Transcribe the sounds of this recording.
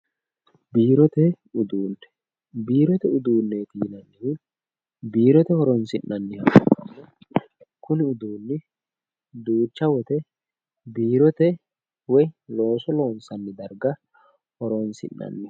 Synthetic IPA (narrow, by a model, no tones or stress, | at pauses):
biːɾɔt̪ɛ | ʊd̪uːnːɛ̥ | biːɾɔt̪ɛʊd̪uːnːeːt̪iːnɐnːɪn | biːɾɔt̪ɛhɔɾɔnsɪnːɐnːɪhɐ | kʊnɪʊd̪uːnːɪ | d̪uːt͡ʃːɐwɔt̪ɛ | biːɾɔt̪ɛ | wɔjlo̞ːsɔlo̞ːnsɐnːɪd̪ɐɾɡɐ | hɔɾɔnsɪ̰nːɐ̰nːɪ